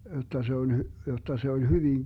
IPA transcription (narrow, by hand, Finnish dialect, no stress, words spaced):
jotˑɑ se on jotˑɑ se olʲ hyʋiŋ